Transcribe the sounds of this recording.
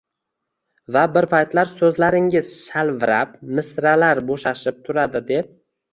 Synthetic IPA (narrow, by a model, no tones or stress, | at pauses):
vabɪɾpʰajt̪laɾsɵzlaɾɪŋɪzʃalvɪɾap̚mɪsɾalaɾboʃaʃɪp̚t̪ʰʊɾad̪ɪd̪e̞p̚